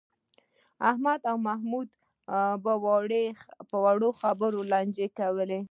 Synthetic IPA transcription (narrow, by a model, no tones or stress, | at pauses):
ahmad̪awmahmud̪ | bawɑɽepəwaɽoxabəɾolɑnd͡ʒekawəle